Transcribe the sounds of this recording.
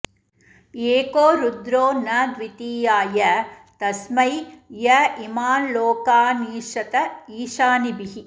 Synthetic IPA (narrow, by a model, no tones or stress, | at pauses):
eːkoːɾud̪ɾoːnɐd̪ʋit̪iːjaːjɐt̪ɐsmɐjjɐimaːloːkaːniːʃɐt̪ɐiːʃaːnibiɦi